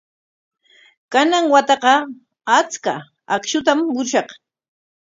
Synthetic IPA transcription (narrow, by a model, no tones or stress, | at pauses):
kanaŋwat̪ɑqɑ | at͡ska̰ | akʃʊt̪̬amːʊɾʃɑq